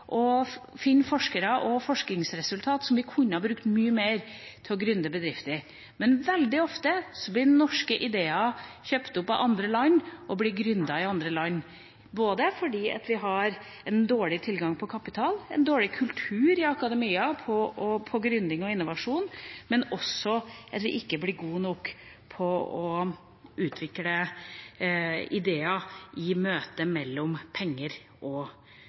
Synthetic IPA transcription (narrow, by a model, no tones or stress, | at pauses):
ʔɔ | fɪnːfɔʂkəɾɑʔɔfɔʂknɪŋsɾɛsʉlt̪ʰɑːt̪sɔmʋɪkʰʊɲːəhɑbɾʉkt̪myːəmeːɾt̪ʰɪlɔɡɾʉnd̪əbəd̪ɾɪft̪əɾ | mɛnʋɛld̪ɪɔft̪əsɔblɪɛnːɔʂkəʔɪd̪eːɑçøːpt̪ʊpːɑ̰ʔɑnd̪ɾəlɑɲːʔɔblɪɡɾʉnd̪ɑɪɑnd̪ɾəlɑɲː | boːd̪əfɔɖiːɑ̰t̪ʋɪɦɑɾ | ɛnd̪oːɭɪt̪ʰɪlɡɑŋpʰɔkʰɑpɪt̪ʰɑːlɛ̰nd̪oːɭɪkʰʉlt̪ʰʉːɾɪɑkɑd̪ɛmiːɑpʰɔɔpʰɔɡɾʉnd̪ɪŋɔɪnːʊʋɑʂuːnmɛnɔsːɔʔɑt̪ʋɪʔɪkːəblɪɾɡuːnɔk | pʰɔɔ | ʉːt̪ʰʋɪklə | ɪd̪eːɑɪmøːt̪əmɛlːɔmpʰɛŋːəɾ | ʔɔ